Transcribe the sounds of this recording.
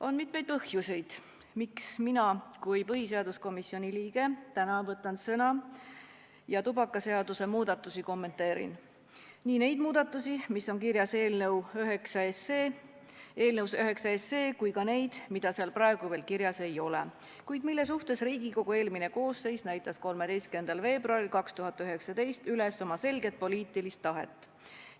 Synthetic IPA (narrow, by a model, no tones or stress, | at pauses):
o̞nmit̪me̞jd̪̚pɤhjusʲe̞jd̪̥ | miksminɑkujpɤɦise̞ɑd̪usko̞misːio̞nʲiliːɡ̥e̞t̪ænɑvɤt̪ːˑɑnsɤnɑ | jɑt̪ubɑkːˑɑse̞ɑd̪use̞muːd̪̥ɑt̪ːˑusiko̞mːe̞nt̪ːˑe̞ːɾḭn | niːne̞jd̪muːd̪ɑt̪ːˑusimisːo̞nkiɾjɑse̞ːlnewøɦeksɑese | eːlnewsøɦe̞ksɑesːeːkujkɑne̞jd̪̥mid̪̥ɑseɑlprɑe̞ɡ̥uve̞ːlkiɾjɑse̞jo̞lḛ | kujd̪̥milːe̞suht̪e̞sriːɡiko̞ɡ̥ue̞ːlmine̞ko̞ːsːe̞jsnæjt̪ːˑɑsko̞lmed̪e̞jst̪kend̪̥ɑlve̞ːbruɑɾilkɑkst̪uɦɑt̪ːˑyɦe̞ksɑd̪e̞jst̪yleso̞mɑse̞lɡe̞t̪̚po̞liːt̪ˑilist̪ːɑɦe̞̰t̪ːˑ